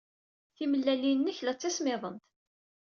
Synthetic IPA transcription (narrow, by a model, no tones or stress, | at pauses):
θiməlːælinːəçlæt͡sːæsmɪðˤənt̪